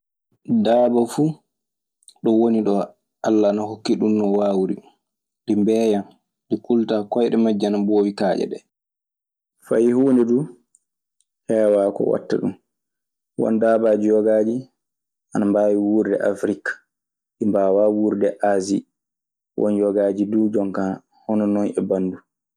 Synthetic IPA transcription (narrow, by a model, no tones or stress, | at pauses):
daːbafu | ɗɔwoniɗɔ | ʔalːanaɦokːiɗunːɔwaːwɾḭ | ɗimbɛːjam | ɗikultakɔjɗɛmad͡ʒːanabowikaːd͡ʒɛ̰ɗɛ̰ | fajhuːndɛdu | hɛːwakɔ̰wa̰tːa̰ɗum | wɔ̰ndaːbaːd͡ʒijɔɡaːd͡ʒi | ʔanambaːwiwuːɾdɛ̰ʔafɾikḁ | ɗimbawawuɾdɛʔazi | wɔ̰njɔɡaːd͡ʒiduːd͡ʒɔŋka | hɔnɔnɔnɛbanːdu